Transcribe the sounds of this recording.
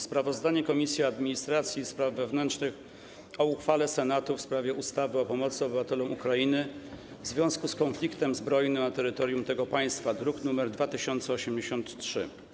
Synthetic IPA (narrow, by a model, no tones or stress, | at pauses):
spɾavɔzd̪aɲɛkɔmʲisʲjiad̪mʲiɲist̪ɾat̪sʲjispɾavːɛvnɛntt͡ʂnɘx | ɔuxfalɛsɛnat̪ufspɾavʲjɛʔust̪avɘɔpɔmɔt̪sɘɔbɘvat̪ɛlɔ̃mukɾainɘ | vzvʲjɔ̃w̃skuskɔnflʲikt̪ɛmzbɾɔjnɘmnat̪ɛɾɘt̪ɔɾjumt̪ɛɡɔpaj̃st̪fad̪ɾuknumɛɾd̪vat̪ɘɕɔnt̪sɛɔɕɛmd͡ʑeɕɔnt̪ʂɘ̰